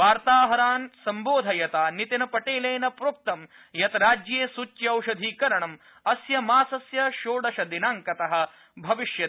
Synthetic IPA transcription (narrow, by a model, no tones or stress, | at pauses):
ʋaːɾt̪aːɦɐɾaːnsɐmboːd̪ʱɐjɐt̪aːnit̪ɐnɐpɐʈeːleːnɐpɾuk̚t̪ɐm | jɐt̪ɐɾaːd͡ʒjeːsut͡ʃjɐɐwʃɐd̪ʱiːkɐɾɐɳɐm | ɐsjɐmaːsɐsjɐʃoːɖɐʃɐd̪inaːŋkɐt̪ɐɦɐ̆ | bʱɐʋiʃjɐ